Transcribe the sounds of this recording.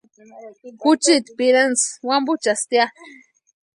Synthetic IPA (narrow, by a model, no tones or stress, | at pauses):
kʊt͡ʃit̪piɾanswambut͡ʃast̪ja